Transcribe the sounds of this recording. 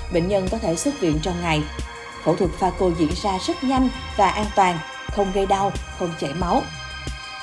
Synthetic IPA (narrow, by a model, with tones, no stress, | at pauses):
ɓḛ˧˨ŋ̟ɲə˧nkɔ˨˦t̪ʰe˧˩swɨ˦˥p̚vḭ˧˨ənt͡ɕɔ˧wŋ͡mŋa˨˩j | t̪ʰo̰˧˩t̪ʰɨ˨˩k̚faː˧ko˧zḭ˧˥ənzaː˧zə˦˥t̚ɲa˧jŋ̟ | vaː˨˩ʔaː˧nt̪waː˨˩n | xə˧wŋ͡mɣə˧jɗa˧wxə˧wŋ͡mt͡ɕɛ˧˩ma˨˦w